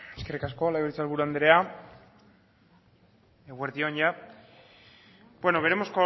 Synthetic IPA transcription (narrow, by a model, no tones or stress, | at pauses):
eskeɾkaskolaɣeɾt͡salβuɾand̪ɾea | eɣweɾðioɲja | bwenoβe̞ɾemosko